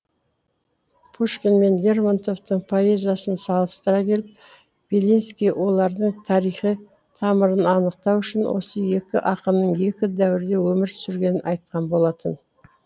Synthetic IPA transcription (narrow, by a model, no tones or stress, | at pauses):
pʰuʃkʲenme̞nlʲe̞rmant̪o̞ft̪əɴpʰo̞e̞zijasənsɑlˠəst̪əɾɑkʲʰe̞lɪp̚ | b̥elinskʲijwʔo̞lˠɑɾd̪əɴt̪ʰɑɾijχə | t̪ʰɑməɾənɑnəq̚t̪ɑwʏʃɪnwo̞̰səje̞kʲɪ̰ʔɑqəmnəɴje̞kʲɪd̪æwɪɾd̪e̞wɵmɪɾt̪ʰʏ̥sʏɾɡʲe̞nɪnʔɑjt̪̚qɑnbo̞lˠɑt̪ən